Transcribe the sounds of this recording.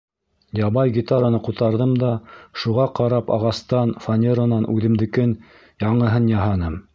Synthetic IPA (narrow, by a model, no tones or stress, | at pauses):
jɑβɑjɡʲit̪aɾanɤqut̪ɑɾðɤmd̪ɑʃuʁɑqɑɾɑpɑ̰ʁɑst̪ɑnfanʲeɾonɑnʔʉðɘ̆md̪ɘ̆kɘn | jɑɴɤ̆ɦɤnjɑɦɑnɤm